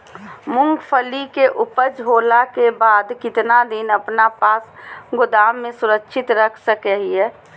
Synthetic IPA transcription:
mʊ̃ŋɡpʰəlikeʔʊpəd͡ʒɦoːlakebaːd̪kɪt̪nad̪inəpnapaːsɡʊd̪aːmːẽsʊɾəkʃʰɪt̪ɾəkʰsəkɛɦiɛː

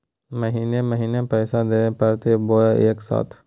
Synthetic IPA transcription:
məɦiːneməɦiːnepɛːsad̪eːnepəɾt̪eboeeːksa̰ːt̪ʰ

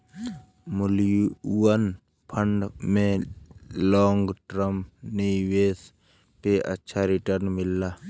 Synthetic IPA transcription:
mʊljuːən | pʰəɳɖmẽ | lɔːŋɡʈɾəmniʋeːs | peʔə̰tːʃʰaɾɪʈəɾnmɪlːaː

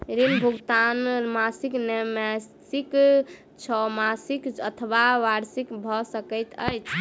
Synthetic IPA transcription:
ɾinbʱuɡt̪anmasiknɛmɛsik | t͡ʃʰɔmasikət̪ʰəbaʋaɾsikbʱɔsəkəjt̪ə̰jt͡ʃʰ

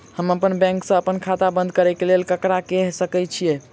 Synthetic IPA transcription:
həməpənbɛ̃ŋksə̃əpənkʰat̪abə̃nd̪̚ʱkəɾɛkelelkəkɾakeɦsəkɛt͡ʃʰijɛ

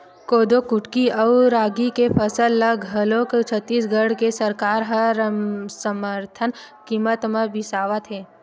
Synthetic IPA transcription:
koːd̪okʊʈkiɐwɾaːɡikepʰəsəlːəɡɦɐloːkt͡ʃʰət̪ːiːsɡəɽkesəɾkaːɾɦə | səməɾt̪ʰənkiːmət̪məbɪsaːʋət̪ɦɛː

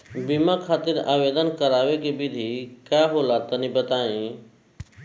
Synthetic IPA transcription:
bimãkʰaːt̪ɪɾa̰ːʋeːd̪ənkəɾaːʋekebɪd̪ʱikaːɦoːlat̪ɐnĩbət̪aːĩː

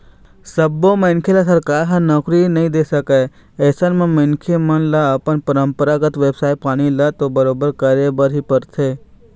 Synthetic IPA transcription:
səbːomeɪnkʰelasəɾkaːɾɦãnɐkɾinɐɦĩd̪eːsəke | eːsənmẽmənkʰemənlaəpənpəɾəmpəɾaɡət̪ʋeːbsaːj̚paːɽ̃ilɐt̪obəɾoːbəɾkəɾebəɾɦipəɾt̪ʰeː

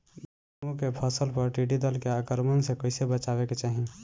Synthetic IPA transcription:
d | əmũkepʰəsəlpəɾʈiɖid̪əlkeakəɾmənsẽkəɪsebət͡ʃaβeket͡ʃaɦi

